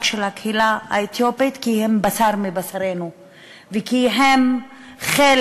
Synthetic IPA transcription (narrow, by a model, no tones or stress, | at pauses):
kʃelhakhilaha̰et̪jopit̪kihembasaʁmibasaʁenu | vekiɦem | χel